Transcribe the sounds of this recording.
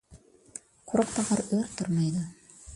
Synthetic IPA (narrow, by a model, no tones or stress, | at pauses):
quɾɑq̚t̪ɑʁɑɾɵɾt̪oɾmɑjd̪ɤ